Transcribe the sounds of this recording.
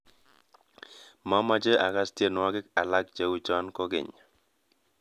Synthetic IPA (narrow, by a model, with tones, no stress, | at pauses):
ma˦ma˦d͡ʒe˦ʔa˨ka˦stje˦˨nwa˦ɡɪ˦ka˨la˦k̚d͡ʒe˦wu˦t͡ʃa˦nkɔ˦ɡɪ̰˨ɲ